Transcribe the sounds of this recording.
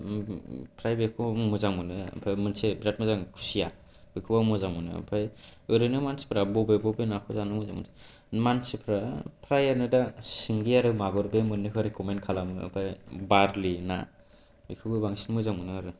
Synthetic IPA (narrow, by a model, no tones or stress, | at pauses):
pʰɾajbekʰɔmɯzaŋmɯnɯ̰pʰajmɯnsebɾat̚mɯzaŋkʰu̥sija | bikʰɯbamɯzaŋmɯnɯ̰pʰajɯɾɯnɯmansi̥pʰɾabɔbebɔbenakʰɯzanɯmɯzaŋmunse̥ | mansipʰɾapʰɾajaɾnɯdasiŋɡiaɾɯmaɡɔɾbemɯnːɯkʰɯɾikɔmenkʰalamɯ̰ːpʰajbaɾlina̰ | bikʰɯbɯbaŋsinmɯzaŋmɯnɯaɾɯ